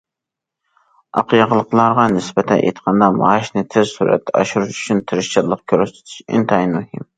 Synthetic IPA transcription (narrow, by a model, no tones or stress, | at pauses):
ɑ̰qʰɨjɑʁəlˠːəqlˠɑɾʁɑnɪsbɛt̪ʰɛnʔḛjt̪qʰɑnd̪ɑmɑ̰ʃnɪt̪ʰɪzsuɾɛ̰t̪ʰːɛɑʃuɾuʃy̥t͡ʃʰynt̪ʰɪɾɪʃt͡ʃɪɾlˠəq̚kʲʰøɾɛʃt̪ʰɪ̥t̪ʰɪ̥ʃɪ̰nt̪ʰɑjnmuhɪm